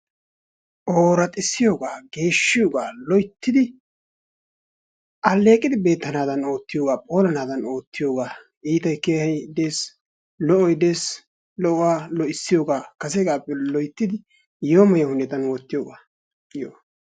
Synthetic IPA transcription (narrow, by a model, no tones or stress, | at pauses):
ʔoːɾɐt̪ʼɪsːɪjo̞ːɡaːɡe̞ːʃːɪjoːɡaːlɔjt̪ːɪd̪ɪ | ʔɐlːe̞ːkʼɪd̪ɪbe̞ːt̪ːɐnaːd̪ɐno̞ːt̪ːɪjo̞ːɡaːpʼo̞ːlɐnaːd̪ɐno̞ːt̪ːɪjo̞ːɡaː | ʔiːt̪ɐjkeːhɛjd̪e̞ːs | lɔʔɔjd̪e̞ːs | lɔʔwaːlɔʔɪsːɪjo̞ːɡaːkɐs̬ɛɡaːpʼːɛlɔjt̪ːɪd̪ɪ | joːmɐjɐhʊnɛt̪ɐnwoːt̪ːɪjoːɡaː | joː